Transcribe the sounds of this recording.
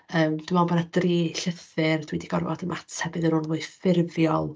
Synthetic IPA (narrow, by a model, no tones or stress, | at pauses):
əːmd̥ɪmɔbɔnadriːɬəθɨrd̥widiɡɔrvɔdəmʔatʰhɛvɨðəɾʊlˠvʊːɨfɪrvjɔlˠ